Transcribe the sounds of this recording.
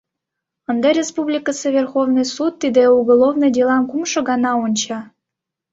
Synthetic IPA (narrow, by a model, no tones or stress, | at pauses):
ənd̪ɑɾʲespublʲikəsəvʲerxovnɨjsut̪ːid̪euɡolˠovnɨjdʲelˠɑnkumʃɤ̆ɣɑnɑunʲt͡ɕɑ